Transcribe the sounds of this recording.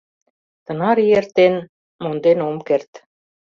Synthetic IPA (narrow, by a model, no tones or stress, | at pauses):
t̪ɤ̆nɑɾijert̪ːen | mond̪enomkert̪